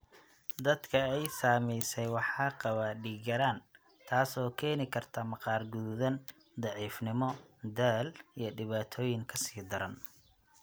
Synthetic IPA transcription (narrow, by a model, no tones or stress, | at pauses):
d̪ɐd̪kʰɐɛjsaːmɛjsɛjwɑħɑːqɑβaɖiːɡɐɾaːn | t̪ʰaːsɔːkʰɛːnɪkʰɐrt̪ʰɐmɑqɑːrɡuðɐn | d̪ɑʕiːfnɪmɔd̪ɛlijɞɖɪβaːt̪ʰɔːjɪŋkʰɐsiːd̪ɐɾɐn